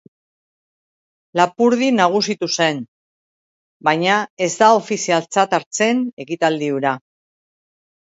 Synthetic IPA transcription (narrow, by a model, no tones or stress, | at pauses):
lapuɾð̞inaɣ̞usit̪use̞n | bajɲae̞zd̪ao̞fisialt͡sat̪aɾt͡se̞ne̞kit̪ald̪iuɾa